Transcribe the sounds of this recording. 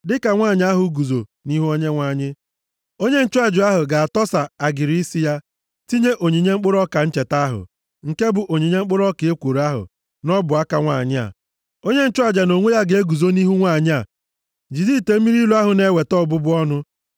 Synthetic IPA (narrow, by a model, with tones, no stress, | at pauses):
dɪ˦ka˨ŋʷaː˦˨ɲɪ˦a˦ɦʊ˨ɡu˨zo˨ni˦ɦu˦o˦ɲe˦ŋʷa˨ɲɪ˦ | o˦ɲe˦n̩˦t͡ʃʊ˦a˨d͡ʒʊ˨a˦ɦʊ˨ɡa˨a˨tɔ˦sa˨a˨ɡɪ˨ɾi˨i˦si˦ja˦ | ti˦ɲe˦ʔo˨ɲi˨ɲe˦ŋ͡m̩˦k͡pʊ˦ɾɔ˦ka˨n̩˦t͡ʃe˨ta˦ɦʊ̰˨ | ŋ̩˨ke˦bʊ˨ʔo˨ɲi˨ɲe˦ŋ͡m̩˦k͡pʊ˦ɾɔ˦ke˨e˦kʷo˨ɾa˦ɦʊ̰˨ | nɔ˦bʊ˨a˦ka˨ŋʷaː˦˨ɲɪ˦a̰˨ | o˦ɲe˦n̩˦t͡ʃʊ˦a˨d͡ʒa˨no˨ŋʷe˦ja˦ɡe˨e˦ɡu˨zo˦ni˦ɦu˦ŋʷa˦˨ɲɪ˦a˨ | d͡ʒi˨zi˦˨te˨˦mi˦ɾi˦lo˦a˦ɦʊ˨ne˦we˨tɔ˦˨bʊ˦bʊ˦ɔ˦nʊ˦